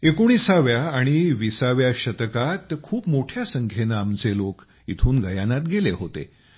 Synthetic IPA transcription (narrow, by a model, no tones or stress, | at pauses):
ekoɽ̃iːsaʋjaːɽ̃iʋisaʋjaɕət̪kat̪kʰuːpmoʈʰjasəŋkʰenaːmt͡selok | ḭt̪ʰuːnɡəjanat̪ɡeleɦot̪ḛ